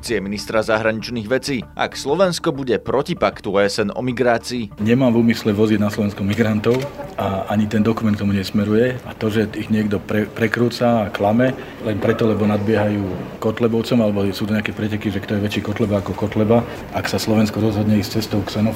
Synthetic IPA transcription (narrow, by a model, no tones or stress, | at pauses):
t͡siɛminist̪ɾazaɦɾaɲit͡ʃniːɣʋɛt͡siːa̰kslɔʋɛnskɔbuɟɛpɾɔcipakt̪uɛsɛnɔ̰miɡɾaːt͡siːɲɛmaːmvuːmislɛʋɔzid̪naslɔʋɛnskɔmiɡɾant̪ɔʊʔaaɲit̪ɛnd̪ɔkumɛnt̪kt̪ɔmuɲɛsmɛɾujɛat̪ɔʒɛiɣɲɪɛɡd̪ɔpɾɛpɾɛkɾuːt͡saːklamɛ | lɛnpɾɛt̪ɔlɛbɔnad̪̚bɪɛɦajuːkɔt̪lɛbɔʊt͡sɔmalɛbɔsuːt̪ɔɲɛakɛpɾɛcɛkiʒɛkt̪ɔjɛʋɛt͡ʃiːkɔt̪lɛbaakɔkɔt̪lɛba | aksaslɔʋɛnskɔɾɔzɦɔd̪ɲɛist͡sɛst̪ɔʊksɛnɔ